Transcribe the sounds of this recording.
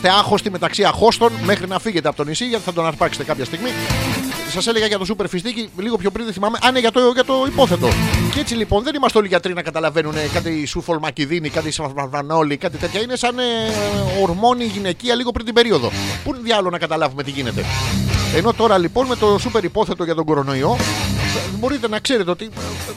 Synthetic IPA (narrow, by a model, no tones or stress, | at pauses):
st̪eɐxo̞st̪ime̞t̪ɐksiɐxo̞st̪o̞nme̞xɾinɐfiʝe̞t̪eɐpot̪onisiʝɐt̪iθɐd̪o̞nɐɾpɐkse̥t̪e̞kɐpçɐst̪iɣmi | sɐseleɣɐʝɐt̪o̞supe̞ɾfist̪iciliɣo̞pço̞pɾinðeθimɐme̞ʔɐneʝɐt̪oʝɐt̪o̞ipo̞θe̞t̪o̞̰cee̞t͡silipo̞nðe̞nimɐst̪eo̞liʝɐt̪ɾinɐkɐt̪ɐlɐve̞nune̞kɐt̪isufolmɐciðinikɐt̪isvɐvɐðɐno̞likɐt̪it̪e̞t̪çɐine̞sɐneoɾmo̞niʝine̞ciɐliɣopɾint̪ibe̞ɾio̞ðo̞̰punðjɐlonɐkɐt̪ɐlɐvume̞t̪iʝine̞t̪e̞̰eno̞t̪o̞ɾɐlipo̞nme̞t̪o̞supe̞ɾipo̞θe̞t̪o̞ʝɐt̪o̞ɡo̞ɾo̞no̞io̞ | ebo̞ɾit̪e̞nɐkse̞ɾet̪e̞o̞t̪i